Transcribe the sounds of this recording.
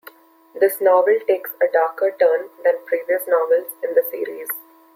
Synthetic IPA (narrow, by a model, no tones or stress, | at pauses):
d̪ɪsnɔːʋəlʈeːksəɖaːɾkəɾʈəːɾnd̪æ̃npɾiːʋiəsnɔːʋəlzɪ̃nd̪əsḭːɾiːz